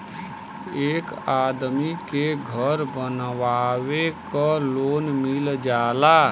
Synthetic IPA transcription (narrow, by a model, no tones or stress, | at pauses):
ekad̪mikeɡʱəɾbənʋawekɔlonmild͡ʒala